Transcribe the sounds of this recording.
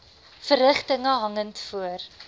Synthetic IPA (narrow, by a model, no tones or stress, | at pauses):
fərəχtəŋəɦɐŋəntfuər